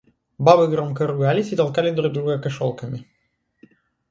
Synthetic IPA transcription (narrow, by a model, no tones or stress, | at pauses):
babɨɡɾɔmkɐɾʊɡalʲɪsʲit̪ɐlˠkalʲɪd̪ɾuɡ̚d̪ɾuɣɐkɐʃɔlˠkɐmʲɪ